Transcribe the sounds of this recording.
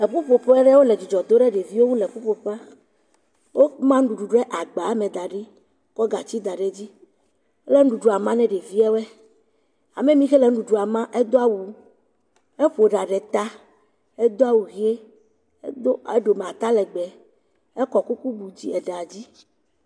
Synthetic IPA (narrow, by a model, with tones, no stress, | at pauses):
ɛ˨ɸu˦ɸo˨ɸɛ˦ɖɛ˦wo˦le˨d͡ʒu˨d͡ʒɔ˨d̪o˦ɖɛ˦ɖe˨vi˦wo˦ŋũ˦lɛ˨ɸu˦ɸo˨ɸa˦ | wo˦mã˦ŋ̩˦ɖu˨ɖu˨ɖɛ˦ʔa˨ɡ͡ba˨˦mɛ̃˨d̪a˨ɖi˦ | kɔ˦ɡa˨t͡ɕi˦d̪a˨ɖe˨d͡ʑi˦ | ɛ˦lɛ˦ŋ̩˦ɖu˨ɖu˨a˨mã˦nɛ̃˦ɖe˨vi˦ɛ˦wɛ˦ | a˨me˦mĩ˦xɛ˦lɛ˨ŋ̩˦ɖu˨ɖu˨a˨mã˦ʔɛ˦d̪o˦a˦˨wu˨ | e˦ɸo˨ɖa˨ɖɛ˨t̪a˦ | e˦d̪o˦a˦˨wu˨ɣi˦e˦ | do˦e˦ɖo˨mɛ˨a˨t̪a˦lɛ˨ɡ͡bɛ˨ | ɛ˦kɔ˨ku˦ku˦bu˨d͡ʑi˦ɛ˨ɖe˨a˨d͡ʑi˦